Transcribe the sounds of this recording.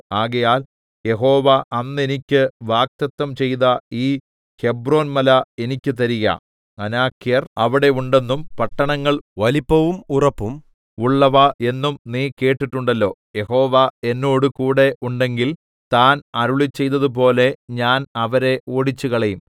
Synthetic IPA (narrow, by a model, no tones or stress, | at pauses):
aːɣɐjaːl | je̞ɦo̞ːʋɐʔɐnːe̞nikʲːɨʋaːk̚t̪ɐt̪ːɐmt͡ɕe̞jt̪ɐiː | he̞bro̞ːnmɐlɐe̞nikʲːɨt̪ɐɾijɐ̰ | ɐnaːkːijɐrɐʋiɽe̞uɳɖe̞nːumpɐʈːɐɳɐŋːɐɭʋɐlipːɐʋumurɐpːum | uɭːɐʋɐʔe̞nːumniːke̞ːʈːiʈːuɳɖɐlːo̞ːje̞ho̞ːʋae̞nːo̞ːɽukuːɽe̞ʔuɳɖe̞ŋɡil | t̪aːnɐɾuɭit͡ɕːe̞jt̪ːɐðup̬o̞ːle̞ɲaːnɐʋɐɾe̞oːɽit͡ɕːuɣɐɭejum